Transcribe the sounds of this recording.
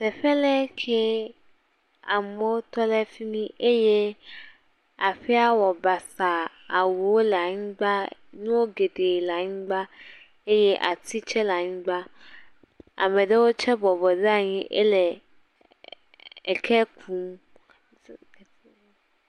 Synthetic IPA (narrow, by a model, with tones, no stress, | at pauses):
sɛ˨ɸɛ˦lɛ˦kʰe˦ | a˨mẽ˦wo˦t̪ɔ˦lɛ˦fi˦mĩ˦ʔe˦je˦ | a˨ɸi˦a˦wɔ˨ba˨sa˨ | a˨wu˨wo˦lɛ˨a˨ɲĩ˦ɡ͡ba˦nũ˦wo˦ɡe˨ɖe˨la˨ɲĩ˦ɡ͡ba˦ | e˦je˦ʔa˨t̪i˦t͡ʃɛ˦la˨ɲĩ˦ɡ͡ba˦ | a̰˨mẽ˨ɖe˦wo˦t͡ʃɛ˦bɔ˨bɔ˨de˦a˨ɲĩ˦ʔḛ˦le˨ | kʰɛ˦ku˦m